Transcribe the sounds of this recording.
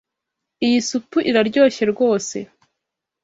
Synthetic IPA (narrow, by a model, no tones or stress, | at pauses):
ijisupuʔiɾaɾɟo̞ːçe̞ɾɡo̞ːse̞